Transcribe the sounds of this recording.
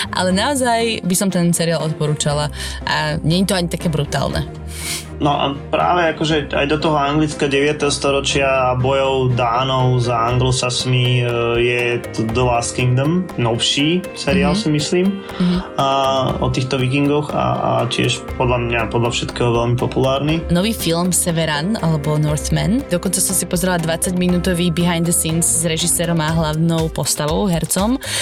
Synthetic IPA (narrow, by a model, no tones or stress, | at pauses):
ʔa̰lɛnaɔzajbisɔmt̪ɛnsɛɾiaːlˠɔt̪̚pɔɾuːt͡ʃalaʔaɲɛɲit̪ɔaɲit̪akɛːbɾut̪a̰ːlnɛ̰ | nɔʔa̰pɾa̰ːʋɛakɔʒɛa̰jd̪ɔt̪ɔɦɔaŋɡlit͡skaɟɛʋɪat̪ɛɦɔst̪ɔɾɔt͡ʃɪabɔjɔʊd̪aːnɔʊzaaŋɡlɔsasmijɛ | d̪laskiŋd̪ɔmnɔʊʃisɛɾɾiaːlsimisliːm | aɔt̪iːxt̪ɔʋik̬iŋɡɔxa̰a̰cɪɛ̰ʃpɔd̪lamɲapɔd̪lafʃɛt̪kɛːɦɔʋɛlmipɔpulaːɾninɔʋiːfilmsɛʋɛɾanalɛbɔnɔɾt̪mɛnd̪ɔkɔnt͡sasɔmsipɔzɾɛlad̪ʋat͡saɟminuːt̪ɔʋiːbiɦajnd̪əsinszɾɛʒisɛːɾɔmaɦlaʊnɔʊpɔst̪aʋɔʊɦɛɾt͡sɔm